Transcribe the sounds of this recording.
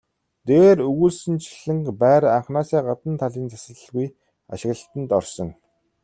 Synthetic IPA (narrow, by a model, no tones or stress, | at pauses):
t̪eːɾɵɣuːɮsɘ̆nt͡ɕʰi̥ɮɘ̆ŋkpæːɾaɴχnaːsæːɢat̪ə̆nt̪ʰaɮiːnt͡sʰasə̆ɮə̆ɣuj | a̰ʃɪ̆ɣə̆ɬt̪ə̆nt̪ɔrsɞ̆ŋ